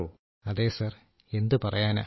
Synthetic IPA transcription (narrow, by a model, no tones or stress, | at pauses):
oː | ɐðeːsaːr | e̞nd̪ɨpɐrɐjaːna̰ː